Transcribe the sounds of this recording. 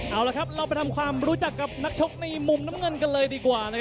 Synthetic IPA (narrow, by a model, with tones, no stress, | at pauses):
ʔaː˧˩wla˧˩kʰa˦˥p̚ɾa˧wpa˧jt̪ʰa˧mkʰwaː˧mɾuː˦˥t͡ɕa˨˩kːa˨˩p̚na˦˥k̚t͡ɕʰo˦˥k̚na˧jmu˨˧˩mna˦˥mŋɤ˧nka˧nlɤː˧jdiː˧kwaː˨˩na˦˥kʰ